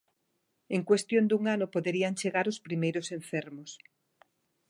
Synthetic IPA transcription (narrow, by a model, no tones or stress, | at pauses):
eŋkwest̪jond̪uŋanʊpoðeɾiaŋt͡ʃeɣaɾʊspɾimejɾʊseɱfɛɾmʊs